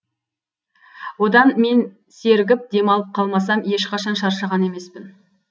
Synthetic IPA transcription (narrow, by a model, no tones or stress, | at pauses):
wo̞d̪ɑnme̞n | se̞ɾɡʲɪp̚d̪e̞mɑlˠəp̚qʰɑlˠmɑsɑmje̞ʃqɑʃɑnʃɑɾʃɑʁɑne̞me̞spɪn